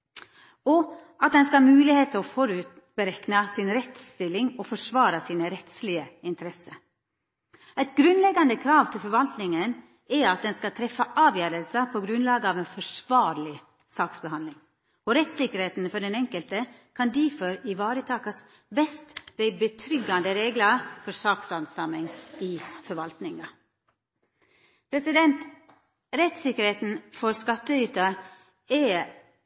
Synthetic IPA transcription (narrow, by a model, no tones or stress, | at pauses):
ɔʔɑt̪̚d̪ɛnskɑɑmʉːlɪheːt̪əɔfɔɾʉːt̪ | bəɾɛknəsɪnɾɛt̪st̪ɪlːɪŋɔfɔʂʋɑːɾəsiːnəɾɛt̪slɪəɪnt̪əɾɛsə | æɪt̪ɡɾʉnlɛɡɑnd̪əkʰɾɑːʋt̪ʰɪlfɔɾʋɑlt̪nɪŋən | ɛɑt̪̚d̪ɛnskɑt̪ʰɾɛfːəʔɑːʋjøːɾəlsəpʰɔɡɾʉnlɑːɡəɑʋeːnfɔʂʋɑːɾɭɪ | sɑːksbəhɑnlɪŋ | ɔɾɛt̪sɪkəɾheːt̪n̩fɔɖɛnɛŋkəlt̪ə | kʰɑnd̪iːfɔɾɪʋɑːɾət̪ʰɑːkɑs | bɛst̪bɛbət̪ʰɾʏɡɑnd̪əɾeːɡləfɔɾsɑːksɑnsɑmɪŋɪfɔɾʋɑlt̪nɪŋɑ | pʰɾɛsɪd̪ɛnt̪ | ɾɛt̪sɪkəɾheːt̪n̩fɔɾskɑt̪ːəyːt̪ə | ɛ